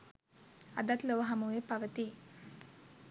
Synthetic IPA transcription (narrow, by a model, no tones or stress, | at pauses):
ad̪at̪loʋəɦamuʋepaʋət̪i